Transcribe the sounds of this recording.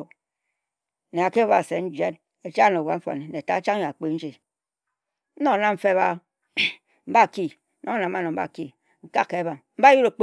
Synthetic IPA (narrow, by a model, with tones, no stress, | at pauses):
ne˨a˨ke˦o˦βa˨se˨˦n̩˦d͡ʒe˦n | e˨t͡ʃa˦no˨wa˨˦ɱ̩˦a̰˨ne˨ne˨ta˨˦t͡ʃa˦ŋ˦a˨k͡pe˦n̩˦d͡ʒi˨˦ | no˦˨na˦m̩˦fe˦βa˦ | m̩˦ba˦˨ki˦ | no˦ŋ˦na˨˦a˦no˨m̩˦ba̰˦˨ki˦ | ŋ̩˨ka˦kːe˨˦βa˨ŋm̩˦ba˦ju˦ɾo˨k͡p